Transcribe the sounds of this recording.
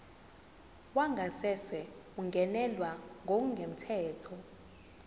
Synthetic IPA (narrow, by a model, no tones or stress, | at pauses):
waŋʱasɛswɛ | uŋɡʱɛnɛlwaŋʱok̬uŋɡʱem̩tʰɛːtʰɔ